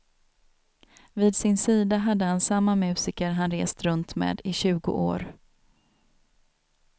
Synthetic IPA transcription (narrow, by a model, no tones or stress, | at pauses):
viːd̪sɪnsiːd̪aɦad̪ːəhansamːamʉ̟ːsɪkəɾɦanɾeːst̪ɾɵnt̪mḛːd̪ɪɕʉ̟ːɡʊ̰ʔo̰ːɾ